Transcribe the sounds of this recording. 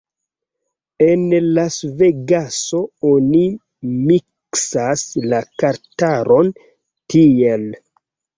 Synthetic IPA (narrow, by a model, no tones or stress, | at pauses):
enlasveɡaso̞oni | miksaslakaɾtaɾʔo̞n | tiel